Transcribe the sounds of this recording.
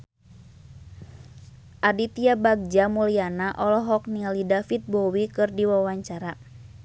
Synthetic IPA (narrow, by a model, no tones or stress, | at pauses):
ʔadit̪iabaɡ̚d͡ʒamulianaʔɔlɔɦɔk̚nialidafit̪̚bɔwikɨrdiwawaɲt͡ʃaɾa